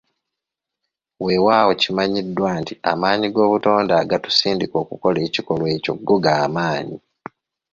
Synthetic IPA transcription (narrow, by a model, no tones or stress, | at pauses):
we̞waːwocimaɲidːwantia̰maːɲiɡo̞ːβuto̞ːndaːɡatu̥siːndiko̞ːkuko̞le̞ːciko̞lwe̞ːco̞̰ɡːo̞ɡaːmaːɲi